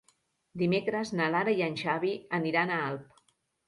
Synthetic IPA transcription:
d̪imekɾəznalaɾajanʲʒaβiəniɾanaalˠp̚

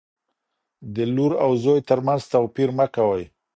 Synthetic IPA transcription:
d̪əluɾawzojt̪əɾmanzt̪awpiɾməkawaj

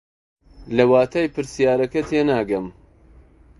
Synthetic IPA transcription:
lɐwaːt̪ʰaːjpɨɾsijaːɾɐkɐt̪ʰeːnaːɡɐm

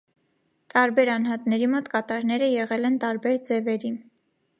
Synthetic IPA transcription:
t̪ɑɾbɛɾɑnɦɑt̪nɛɾimɔt̪kɑt̪ɑɾnɛɾəjɛʁɛlɛnt̪ɑɾbɛɾd͡zɛvɛɾin

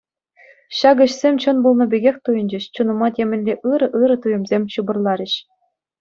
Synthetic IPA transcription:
ɕɑɡɤ̆ɕsʲemʲt͡ɕɤ̆nbulˠnɤ̆bʲeɡʲexʲt̪ujɤ̆nʲd͡ʑɘ̆ɕt͡ɕunɤ̆mɑt̪ʲemʲɘ̆nʲlʲeʔɯɾɤ̆ʔɯɾɤ̆t̪ujɤ̆mzʲemʲɕubɤ̆rlˠɑɾʲɘ̆ɕ

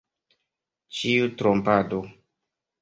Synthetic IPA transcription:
t͡ʃiutɾompado

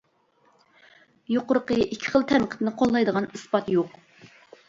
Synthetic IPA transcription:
joqʊɾəqəikʲʰːɪ̥χəlˠt̪ʰɛmqʰə̥t̪nɨqʰolˠːɑjd̪əʁɑnɨspɑt̪joq

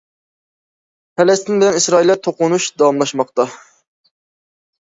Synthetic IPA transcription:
pʰɛlɛst̪ɪnbɪlɛnisɾɑːilːæt̪ʰoqʊnuʃd̪ɑwɑmlˠɑʃmɑq̚t̪ɑ

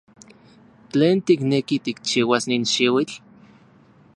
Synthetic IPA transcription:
t͡ɬeːnt̪iknekit̪ik̚t͡ʃiːwasniːnʃiwit͡ɬ

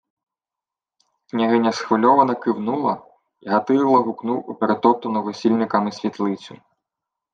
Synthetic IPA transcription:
knʲiɦɪnʲɐsxʋɔlʲɔʋɐnɐkɪwnulˠɐ | iɦɐt̪ɪjlˠɐɦʊknuwupeɾet̪ɔt̪ɔnɔʋɔsʲilʲnɪkɐmɪsʲʋʲit̪lˠɪt͡sʲʊ

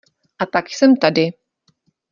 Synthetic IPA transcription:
ʔat̪akjsɛmt̪adɪ

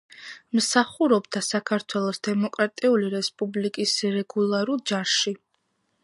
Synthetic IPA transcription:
msaχuɾɔbd̪asakʰaɾt̪ʰwɛlˠɔsd̪ɛmɔkʼɾat̪ʼiuliɾɛspʼublikʼisɾɛɡulˠaɾulˠd͡ʒaɾʃi

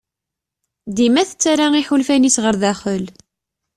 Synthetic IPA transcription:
d̪imæθət͡sːaɾaiħulfænisʁəɾðæχəl

